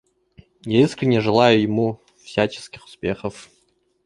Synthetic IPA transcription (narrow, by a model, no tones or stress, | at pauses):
jaiskɾʲɪnʲːeʐɨlˠajʊjɪmu | fsʲat͡ɕɪ̥skʲɪxʊ̥spʲexəf